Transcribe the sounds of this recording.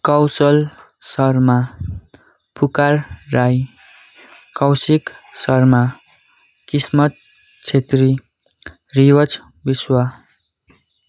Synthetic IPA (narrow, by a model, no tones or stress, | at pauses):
kʌwsʌl | sʌrma | pʰukarːaj | kʌwsiksʌrma | kismʌt̪̚ | t͡sʰet̪ri | riwʌt͡s | biswa